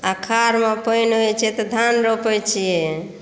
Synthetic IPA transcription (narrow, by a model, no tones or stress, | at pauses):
akʰaɾmepəjnɦot͡ʃʰɛt̪ɔd̪ʱanɾopɛt͡ʃʰijɛ